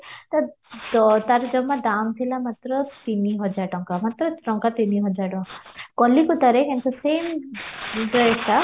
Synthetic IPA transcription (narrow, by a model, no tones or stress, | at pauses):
t̪a | t̪aɾd͡ʒɔmːad̪aːmt̪ʰilamat̪ɾət̪iniɦɔd͡ʒaʈɔŋkamat̪ɾəʈɔŋkat̪iniɦɔd͡ʒaʈɔ̃kɔlːikut̪aɾekent̪useːm | ɖɾesa